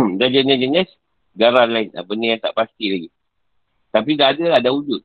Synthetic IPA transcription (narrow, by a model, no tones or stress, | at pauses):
dad͡ʒaɲad͡ʒənas | ɡaɾalaɪna̰pənəjaŋt̪a̰ʔpast̪ilaɡi | t̪apidaːdaladaud͡ʒʊt̪̚